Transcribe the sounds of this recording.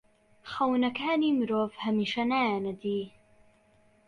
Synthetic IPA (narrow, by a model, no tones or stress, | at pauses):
xawnakaːnimɾoːfhamiʃanaːnad̪i